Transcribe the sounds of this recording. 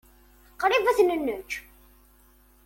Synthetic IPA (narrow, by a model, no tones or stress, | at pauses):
qɾivæθnənːət͡ʃː